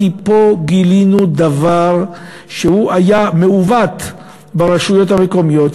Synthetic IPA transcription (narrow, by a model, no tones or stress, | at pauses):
ipo̞ɡilinud̪avaʁ | ʃehuʔajame̞uvat̪ | baʁaʃujo̞t̪hameko̞mijo̞t̪